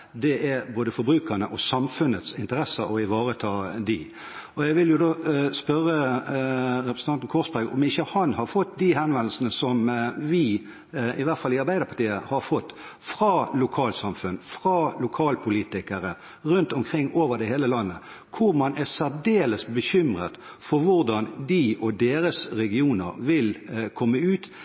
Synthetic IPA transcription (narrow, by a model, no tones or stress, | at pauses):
d̪ɛʔæboːd̪əfɔɾbɾʉːkənəʔɔsɑmfʉnət̪sɪnt̪əɾɛsəɔɪʋɑːʁət̪ʰɑːd̪ɪ | ɔjæɪʋɪljʊd̪oːspœʁə | ɾɛpɾʁsn̩ɑnt̪n̩kʰɔsbæɡɔ̰mɪçːəhɑnhɑɾfɔt̪ːd̪iɦɛnʋɛnl̩sən̩əsɔmʋɪ | ɪʋæɾt̪fɑlɪɑɾbæɪd̪əɾpʰɑt̪iːəhɑɾfɔt̪ːfʁɑːlʊkʰɑːlsɑmfʉnfʁɑːlʊkʰɑːlpʰʊliːt̪ɪkəɾə | ʁʉnt̪ɔmkʰʁɪŋːoːʋəʁɖɛheːləlɑnːə | kʰʊɾmɑnʔæsæɾd̪eːləsbəçʏmʁət̪ | fɔɾʋʊɾd̪ɑnd̪iʔɔd̪eːɾəsɾɛɡɪuːnə̰ɾʋɪlkʰɔmːəʉːt̪